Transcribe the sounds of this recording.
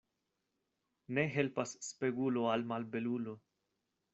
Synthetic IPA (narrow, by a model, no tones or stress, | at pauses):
neɦelpasːpe̞ɡuloalmalbe̞lulo